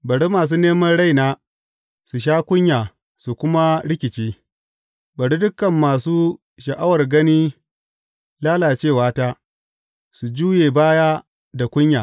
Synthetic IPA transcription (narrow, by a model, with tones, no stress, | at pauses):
bɐ˨ɽi˦maː˨s̬uː˦neː˦mɐ˦nɽa˦jnaː˦ | su˨ʃ̬aː˦kʷʊ˦ɲjaː˨ | su˨kʷʊ˦ma˦ɽɪ˦kʲɪ˨t͡ʃiː˦ | bɐ˨ɽi˦dʊ˦kːɐ˨mːaː˨suː˦ | ʃɐ˨ʔa˦wɐ˨rɡɐ˦niː˦ | laː˦laː˨t͡ʃeː˦˨waː˦taː˦ | su˨d͡ʒuː˦jeː˨baː˦jaː˦ | da˨kʷʊ˦ɲjaː˨